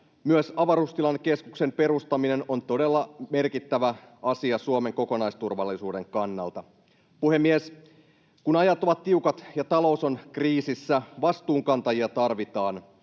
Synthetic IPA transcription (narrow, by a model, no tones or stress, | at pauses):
myøsɑʋɑɾust̪ilɑnke̞skukse̞mpe̞ɾust̪ɑmine̞no̞nt̪o̞de̞lːɑme̞rkit̪ːæʋæ | ɑsiɑsuome̞ŋko̞ko̞nɑjst̪urʋɑlːisuːde̞ŋkɑnːɑ̰lt̪ɑ | puhe̞mːies | kunɑjɑt̪ːoʋɑt̪tːiukɑt̪jɑt̪ɑlo̞wso̞nkriːsisːæʋɑst̪uːŋkɑnt̪ɑjiɑt̪ɑrʋit̪ɑːn